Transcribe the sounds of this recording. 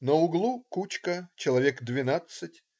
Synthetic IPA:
nəʊɡlˠukut͡ɕkət͡ɕɪlˠɐvʲekd̪vʲɪnat̪sɨtʲ

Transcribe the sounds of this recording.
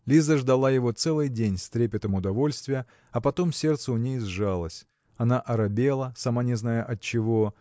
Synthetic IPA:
lʲizəʐd̪ɐlˠajɪvo̞t̪sɛlˠɨjdʲenʲst̪ɾʲepʲɪt̪əmʊd̪ɐvo̞lʲst̪vʲɪjə | ɐpɐt̪omsʲe̞rt̪səʊnʲejzʐalˠəsʲ | ɐnaʔɐɾɐbʲe̞lˠəsɐmanʲɪznajəʔɐt͡ɕːɪvo̞

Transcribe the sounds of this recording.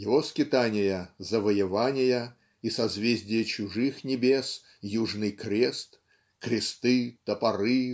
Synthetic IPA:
jɪvoskʲɪt̪anʲɪjəzəvəjɪvanʲɪjə | isɐzvʲezʲdʲɪjət͡ɕʊʐɨxnʲɪbʲes | juʐnɨjkɾʲe̞st̪ | kɾʲɪst̪ɨt̪əpɐɾɨ

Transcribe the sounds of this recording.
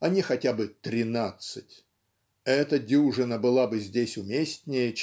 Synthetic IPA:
ɐnʲixɐtʲabɨt̪ɾʲɪnat̪sɨtʲ | ɛt̪ədʲuʐɨnəbɨlˠabɨzʲdʲesʲʊmʲesʲtʲnʲɪjə

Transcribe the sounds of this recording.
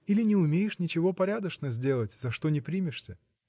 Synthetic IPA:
ilʲɪnʲɪʊmʲejɪʂnʲɪt͡ɕɪvo̞pɐɾʲad̪əʂnəzʲdʲe̞lˠətʲzɐʂt̪o̞nʲɪpɾʲimʲɪʂsʲə

